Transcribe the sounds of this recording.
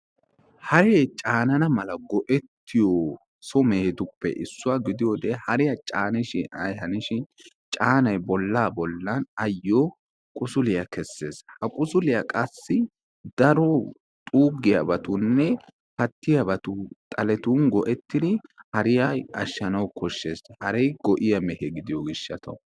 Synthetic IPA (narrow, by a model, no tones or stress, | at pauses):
hɐɾeːt͡ʃʼaːnɐnɐmɐlɐɡɔʔɛt̪ːɪjo | sɔmeːd̪ʊpːɛ̰ʔɪsːʊwaɡɪd̪ɪjoːd̪eːhɐɾɪjɐt͡ʃʼaːnɪʃɪɐ̰jhɐnɪʃɪn | t͡ʃʼaːnɐjbɔlːaːbɔlːɐnɐjːoː | kʼʊsʊlɪjɐkʰɛsːe̞̰ːshɐkʼʊsʊlɪjɐkʼɐsːɪ | d̪ɐɾɔ | t̪ʼuːɡɪjɐbɐt̪ʊnːɛ | pɐt̪ːɪjɐbɐt̪ʊt̪ʼɐlɛt̪uːnɡɔʔɛt̪ːɪd̪ɪhɐɾɪjaɐʃːɐnɐwkʰɔʃːe̞ːshɐɾejɡɔʔɪjɐmɛhɛɡɪd̪ɪjɔɡɪʃːɐt̪ʰɐ̰